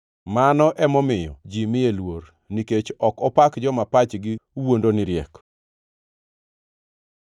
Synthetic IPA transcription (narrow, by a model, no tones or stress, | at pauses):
manɔʔɛmɔmɪjɔd͡ʒimɪelwoɾ | niket͡ʃɔkɔpakd͡ʒɔmapat͡ʃɡɪwondonɪɾjɛk